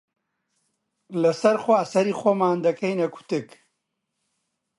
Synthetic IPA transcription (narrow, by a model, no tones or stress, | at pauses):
lɐsɐɾxwaːsɐɾiːxʷomaːnd̪ɐkɐjnɐkʰʊ̥t̪ɨk